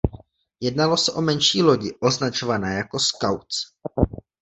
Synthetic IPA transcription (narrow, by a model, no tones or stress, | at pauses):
jɛdnalo̞sɛʔo̞mɛnʃiːlo̞ɟɪʔo̞znat͡ʃo̞vanɛːjako̞skawt͡s